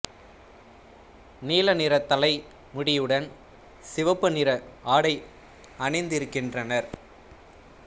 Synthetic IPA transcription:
niːlɐnɪɾɐt̪ːɐlɐɪ | mʊɽɪjɯɽɐn | sɪʋɐpːɯnɪɾɐaːɽɐɪ | ɐnɐɪnd̪ɪɾɯkːɪndrɐnɐɾ

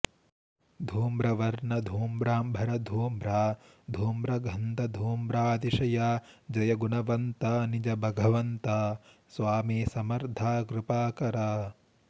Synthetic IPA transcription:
d̪ʱuːmɾɐʋɐɾɳɐd̪ʱuːmbɾaːmbʱɐɾɐd̪ʱuːmɾaː | d̪ʱuːmɾɐɡʱɐnt̪ɐd̪ʱuːmɾaːd̪iʃɐjaːd͡ʒɐjɐɡunɐʋɐnt̪ɐnid͡ʒɐbʱɐɡʱɐʋɐnt̪ɐsʋaːmiːsɐmɐɾd̪ʱaːkɾupaːkɐɾaː

